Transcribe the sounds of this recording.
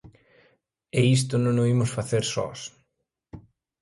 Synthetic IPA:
ɛis̬t̪ʊnõŋʊimʊsfaθeɾsɔ̰s

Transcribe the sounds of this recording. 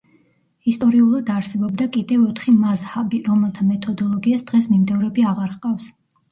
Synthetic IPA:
ist̪ʼɔɾiulˠad̪aɾsɛbɔbd̪akʼid̪ɛvɔt̪ʰχimazhabiɾɔmɛlˠt̪ʰamɛt̪ʰɔd̪ɔlˠɔɡiasd̪̥ʁɛsmimd̪ɛvɾɛbiaʁaɾχqʼafs

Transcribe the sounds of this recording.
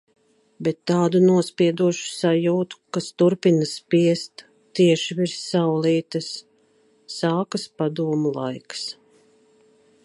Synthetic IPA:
bɛt̪ːaːd̪unuɔspiɛd̪uɔʃu̥sajuːt̪u̥kast̪uɾpinaspiɛst̪ | t̪ːiɛʃiviɾssawliːt̪ɐsː | aːkaspad̪uɔmulˠa̰jks

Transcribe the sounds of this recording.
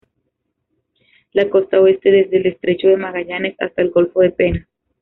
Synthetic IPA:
lako̞st̪aoe̞st̪e̞ðe̞zðelest̪ɾe̞t͡ʃoðe̞maɣaʝane̞sa̰st̪aelɣo̞lfo̞ðe̞pe̞na

